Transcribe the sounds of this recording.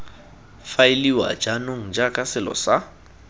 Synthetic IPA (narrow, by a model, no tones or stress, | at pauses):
faɪliwa̰d͡ʒanoŋ̩d͡ʒakʼasɪlɔ̰sa